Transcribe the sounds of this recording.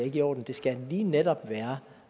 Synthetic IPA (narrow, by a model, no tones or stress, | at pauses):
e̝ɡ̥əɒ̰ːd̥n̩d̥e̝sɡ̥æliːned̥ɒ̽b̥ʋæːɐ